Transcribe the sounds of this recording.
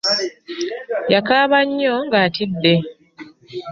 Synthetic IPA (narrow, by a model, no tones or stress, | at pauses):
jakaːβaɲːoŋɡaːtidːe̞